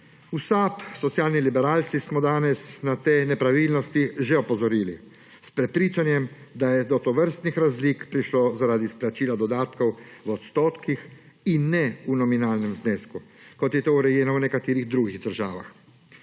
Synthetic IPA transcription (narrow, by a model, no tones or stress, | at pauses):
usaːpsɔt̪sjaːlnilibɛɾaːlt̪sismɔd̪aːnɛsnat̪enɛpɾaʋilnɔst̪iʒɛɔpɔzɔɾiːli | spɾɛpɾiːt͡ʃanjɛmd̪ajɛd̪ɔt̪ɔʋəɾst̪nixɾazliːkpɾiʃlɔzaɾaːd̪isplat͡ʃiːlad̪ɔd̪aːt̪kɔwwɔt̪st̪oːt̪kix | inːɛunɔminaːlnɛmzneːskukɔt̪jɛt̪oːuɾɛjɛːnɔwnɛkat̪eːɾiɣd̪ɾuɡiɣd̪əɾʒa̰ːʋa̰x